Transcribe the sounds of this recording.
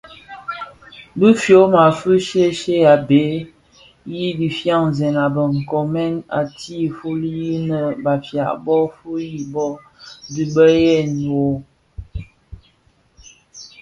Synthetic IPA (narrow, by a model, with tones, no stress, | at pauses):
bɨ˦fjo˨˦ma˨fə˦ʃe˦ʃe˦a˨be˨˦ | ji˦di˨fja˦˨ŋzɛ˨na˨bə˨ŋ̩˨kɔ˨mɛ˦na̰˨ti˦˨fu˦li˦ji˦nə˨ba˨fja̰˨ʔbɔ˦fu˦ji˨bɔ˦ | bi˨bə˦jɛ˦˨n˨wo˨˦